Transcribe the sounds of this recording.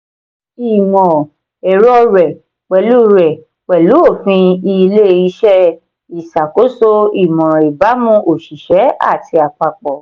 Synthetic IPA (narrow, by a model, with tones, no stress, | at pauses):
i˨mɔ̃˨ | ɛ˨ɾɔ˦ɾɛ˨ | k͡pɛ˨lu˦ɾɛ˨ | k͡pɛ˨lu˨˦o˦˨fĩ˧i˧le˦i˧˦ʃɛ˦ | i˨sa˨ko˨˦so˦i˨mɔ̃˨i˨ba˨˦mũ˦˧˦o˨ʃi˨ʃɛ˨˦a̰˦˨ti˧a˨k͡pa˨k͡pɔ˨